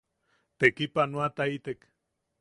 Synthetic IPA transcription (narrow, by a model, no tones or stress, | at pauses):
t̪ekipanoat̪ait̪ek